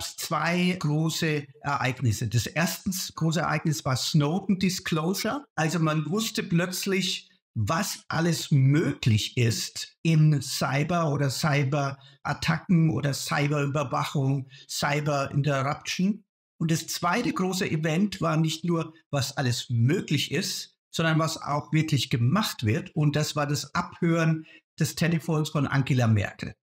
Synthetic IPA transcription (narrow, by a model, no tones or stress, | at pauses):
ɡ̥apst͡sv̥aɪɡ̥ʁoːsəʔɛɐʔaɪɡnɪsədasʔeːɐstn̩sɡ̥ʁoːs̬əɛɐʔaɪɡnɪsv̥aːɐsnoʊpn̩dɪskloʊʒɐʔalzomanvʊstəplœt͡slɪç | vasʔa̰ləsmøːklɪçɪstʔɪnsaɪbɐoːɾɐsaɪbɐʔa̰tʰakŋ̩ʔo̰ːdɐsa̰ɪbɐyːbɐvaχʊŋsaɪbɐɪ̰ntɛʁapt͡ʃn̩ | ʔʊntd̥ast͡sv̥aɪtəɡʁoːsəʔivɛntv̥aːɐnɪçtnuːɐ | vasʔaləsmøːklɪçɪst | z̥ɔndɐnvasa̰ʊxv̥ɪɐklɪçɡ̥əmaχtv̥ɪɐtʊnt̚d̥asv̥aːɐdasʔaphøːʁənd̥ɛstʰɛnəfoːnsfɔnʔa̰ŋɡelamɛ̰ɐkl̩